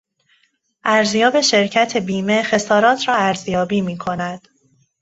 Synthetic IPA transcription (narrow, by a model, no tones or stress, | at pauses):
ʔæɾzjɒːbe̞ʃe̞ɾcʰæt̪ʰe̞biːme̞xe̞sɒːɾɒːt̪ʰɾɒːæɾzjɒːbiːmiːkʰo̞næd̪̥